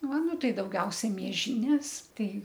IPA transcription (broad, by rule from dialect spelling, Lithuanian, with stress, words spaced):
ˈʋɐ ˈnʊ ˈtɐɪ dɐʊˈɡʲɛʊsʲɛ mʲiɛˈʒʲiːnʲeːs ˈtɐɪ